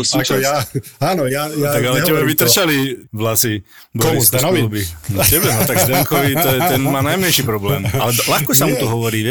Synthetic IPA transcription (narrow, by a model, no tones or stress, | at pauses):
ɔsit͡ʃjaaːnɔjajat̪aɡalɛɛbɛʋit̪r̩t͡ʃaliʋlasi | bɔist̪nɔʋilubintɛbɛnɔt̪aɡt̪ɛŋkɔʋit̪ɔɛt̪ɛnmaːnajmɛnʃiːpɾɔblɛːmalɛlaxkɔsamut̪ɔɦɔʋɔɾiː